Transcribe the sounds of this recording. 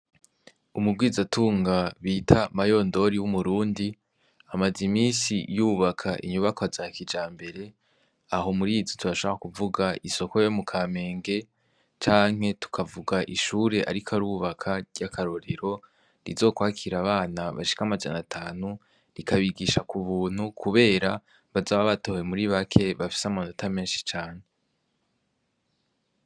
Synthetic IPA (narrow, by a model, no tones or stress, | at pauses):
umub̚ɡiːzatʰuːŋɡaβiːtʰamajo̞ndo̞ɾiwumuɾuːndi | amazimiːnsijuːβakʰaʔḭɲuβakozakid͡ʒaːmbe̞ɾe̞ | aɦo̞muɾiːzotuɾaʃoβaɾakuvuɡaiso̞ko̞jo̞mukʰaːme̞ːŋɡe̞ | t͡ʃaːŋhe̞tu̥kʰavuɡaʔiʃuːɾe̞ʔa̰ɾikʰaɾuβakʰaɟakʰaɾo̞ɾeɾo̞ | ɾḭzo̞ːkwaːkʰiɾaβaːnaβa̰ʃi̥kamad͡ʒa̰natʰaːnu | ɾikaβiɡiʃakuβuːn̥hukʰuβe̞ːɾa | βazaːβaβato̞ːwe̞muɾiβakʰe̞βafi̥samanotame̞ːnʃi̥t͡ʃaːɲe